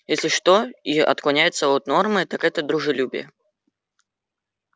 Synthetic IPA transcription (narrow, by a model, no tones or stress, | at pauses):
jesʲlʲɪʂt̪oiɐ̰t̪klˠɐnʲæjɪt̪səot̪no̞rmɨt̪akɛt̪əd̪ɾʊʐɨlʲubʲɪ̰jə̰